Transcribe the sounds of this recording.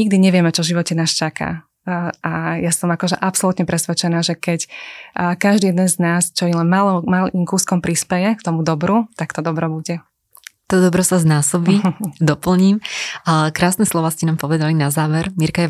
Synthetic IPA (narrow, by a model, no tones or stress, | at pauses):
ɲiɡ̚d̪iɲɛʋɪɛmɛt͡ʃɔʒiʋɔcɛnaːst͡ʃakʰa̰ː | ʔajasɔmakɔʒɛʔapsɔlut̪ɲɛpɾɛsʋɛt͡ʃɛnaːʒɛkɛcː | kaʒd̪iːjɛd̪ɛnznaːst͡ʃɔjilɛnmalɔmalimkuːskɔmpɾispɛjɛkt̪ɔmud̪ɔbɾut̪akt̪ɔd̪ɔbɾɔbuɟɛ | t̪ɔd̪ɔbɾɔsaznaːsɔbiːd̪ɔpl̩ɲiːm | kɾaːsnɛslɔʋaːscɛnaːmpɔʋɛd̪alinazaːʋɛɾmiɾkajɛ